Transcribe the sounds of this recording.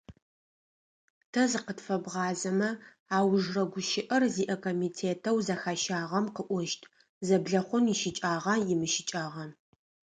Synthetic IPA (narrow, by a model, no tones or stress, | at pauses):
tʰɐzɨqətfɐbʁɑːzɐmɐ | aːwʒrɐɡʷʊʃɪʔɐrziːʔɐkʰoːmiːtʰeːtʰɐwzɐxaʃaːʁɐmqəʔʷɔʃtʰʼ | zɐbɮɐχʷʊnjɪʃɪt͡ʃʼaːʁɐjɪmɨʃɪt͡ʃʼaːʁɐ